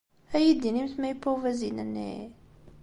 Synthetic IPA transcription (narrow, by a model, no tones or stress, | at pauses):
æjid̪ːinimθmæjpɾovæzinænːḛ